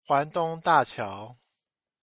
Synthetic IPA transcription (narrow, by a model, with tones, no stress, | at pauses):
xwa˨˦nt̪ʊ˦ŋt̪a˥˨t͡ɕʰjɑ˨˦ʊ